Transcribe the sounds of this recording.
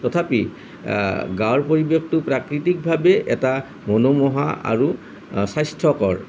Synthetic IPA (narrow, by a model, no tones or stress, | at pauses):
tɔt̪ʰapi | ɡaɹpoɹibekʰtʊpɹakɹitik̚bʱabeʔɛta | monomɔɦa̰a̰ɹu | sajstʰɔkɔɹ